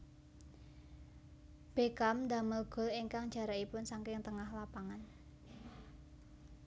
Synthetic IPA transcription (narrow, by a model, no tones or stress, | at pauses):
b̥ekamd̪a̤məlɡ̥ɔ̤liŋkaŋd̥d͡ʒ̥ä̤ɾaipʊnsaŋkɪŋt̪əŋahlapaŋan